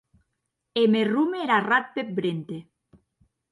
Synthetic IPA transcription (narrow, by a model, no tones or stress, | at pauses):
emerumeeɾarat̪̚pep̚bɾent̪e